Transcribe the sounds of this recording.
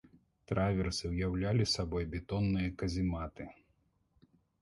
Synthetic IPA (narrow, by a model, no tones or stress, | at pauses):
t̪ɾavʲɛrsɨwjawlʲalʲisabɔjbʲɛt̪ɔnːɨjɐkɐzʲimat̪ɨ